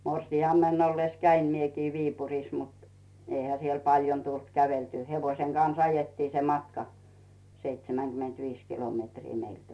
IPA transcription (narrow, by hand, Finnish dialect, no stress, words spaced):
morsiɑmːenː olːes kæim miekiː ʋiːpurˑis mut eihæ siel pɑljon tult kæʋeltyː heʋoĭseŋ ɡ̊ɑns ɑjetːiː se mɑtkɑ seitsemæŋɡ̊ymentʋiːs kilometriː meilt